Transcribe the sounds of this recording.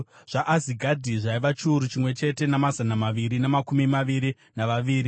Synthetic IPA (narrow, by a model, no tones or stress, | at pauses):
ʐ̥aʔaziɡʱadʱiʐaiʋat͡ʃuːɾut͡ʃimwe̞t͡ʃe̞te̞namazanamaʋiɾinemakumimaʋiɾi | naʋaʋiːɾi